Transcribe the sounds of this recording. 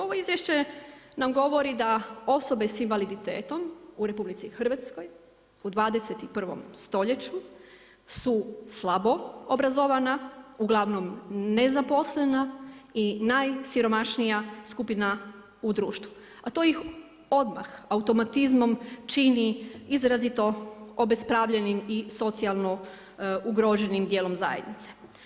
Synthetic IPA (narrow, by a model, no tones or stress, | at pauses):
o̞ʋo̞izʋjeʃt͡ɕe̞namɡo̞ʋo̞ɾid̪ao̞so̞be̞sinʋalid̪it̪eːt̪o̞muɾe̞publit̪sixr̩ʋat̪sko̞j | ud̪ʋaːd̪e̞set̪ipr̩ʋo̰mst̪o̞ʎe̞t͡ɕu | suslˠabo̞obɾazoʋanauɡlˠaʋno̞mne̞zapo̞slenainajsiɾo̞maʃnijaskupina | ud̪ɾuːʃt̪ʋu | at̪o̞ːjix | o̞d̪ma̰xaut̪o̞mat̪izmo̞mt͡ʃiniizɾazit̪o̞obe̞spɾaʋʎenimiso̞t̪sialˠno̞ | uɡɾoʒe̞nimd̪je̞ːlo̞mza̰jed̪nit̪se̥